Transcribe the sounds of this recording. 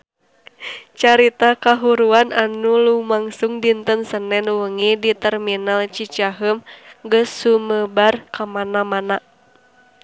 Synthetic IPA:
t͡ʃaɾit̪akaɦuɾuananulumaŋsuŋdint̪ənsənɛnwəŋidit̪ɛrminalt͡ʃit͡ʃaɦəmɡəsːuməbarkamanamana

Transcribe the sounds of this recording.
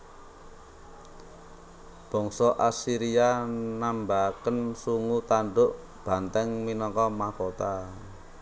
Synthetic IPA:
b̥ɔ̤ŋsɔʔasiɾianambakənsuŋut̪aɳɖʊʔ | b̥a̤nt̪ɛŋminɔŋkɔmakot̪a

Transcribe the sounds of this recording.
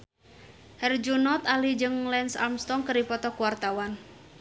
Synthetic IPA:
hɛrd͡ʒunɔt̪alid͡ʒɨŋlɛnsa̰lmst̪ɔŋkəripɔt̪ɔkuwart̪awan

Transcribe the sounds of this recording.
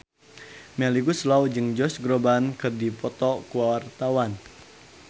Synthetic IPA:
mɛliɡuslawd͡ʒɨŋd͡ʒɔsɡɾobankɨrdipɔt̪ɔkuwawart̪awan

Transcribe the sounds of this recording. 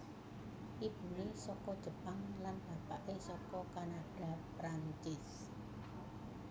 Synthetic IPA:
ʔib̥ṳnesɔkɔd̥ʒ̥ə̤paŋlanb̥a̤paʔesɔkɔkanaɖ̥a̤pɾaɲt͡ʃɪs

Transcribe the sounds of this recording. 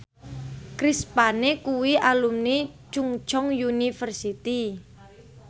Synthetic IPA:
kɾispanekuwiʔalumnit͡ʃuŋt͡ʃɔŋjunifərsit̪i

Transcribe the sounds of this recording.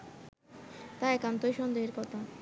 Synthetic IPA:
t̪aɛkant̪ojʃɔnd̪eɦeɾkɔt̪ʰa

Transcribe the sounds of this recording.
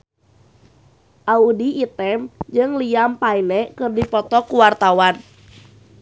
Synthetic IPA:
ʔaudiit̪ɛmd͡ʒɨŋliampailɛkɨrdipɔt̪ɔkuwart̪awan

